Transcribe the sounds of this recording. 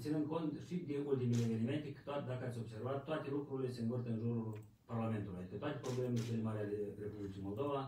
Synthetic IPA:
t̪sinɨnd̪̚ko̞nt̪ʃid̪eult̪imelevenime̞nt̪ekɨ̥t̪oad̪akəat̪sʲo̞bse̞rvat̪ːoat̪e̞lukɾuɾilʲe̞se̞ɨnvɨrt̪əɨnʒuɾul | parlame̞nt̪ulujad̪ikət̪oat̪epɾo̞blemeleselemaɾealerepublit͡ʃijmo̞lˠd̪o̞va

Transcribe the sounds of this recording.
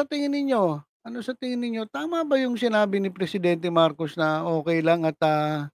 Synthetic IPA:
ɐt̪ɪŋɪnːɪɲo̞ʔɐno̞sɐt̪ɪŋɪnːɪɲːo̞t̪aːmɐbɐjʊŋsɪnaːbɪnɪpɾɛsɪd̪ɛnt̪ɛmaɾko̞snɐʔo̞ːkɛjlɐŋɐt̪ɐ

